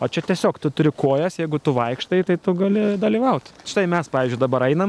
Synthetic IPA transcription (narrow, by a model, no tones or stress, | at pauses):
oːt͡ʃʲɛt̪ʲiɛsʲoːkt̪ʊt̪ʊɾʲɪkoːjɛsjɛɪɡʊt̪ʊʋɐɪkʃt̪ɐɪt̪ɐɪt̪ʊɡɐlʲɪd̪ɐlʲiːʋɐʊt̪ʲʃʲɪ̥t̪ɐɪmʲɛspɑːʋʲiːzʲd͡ʒʲʊɪd̪ɐbɐɾɐɪnɐm